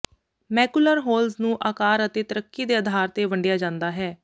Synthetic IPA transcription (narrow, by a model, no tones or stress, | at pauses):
mɛːkuləɾɦoːlznũːʔaːkaːɾət̪eːt̪əɾəkːiːd̪eːəd̪ʱaːɾt̪eːʋəɳɖɪjaːd͡ʒãːnd̪aːɦɛː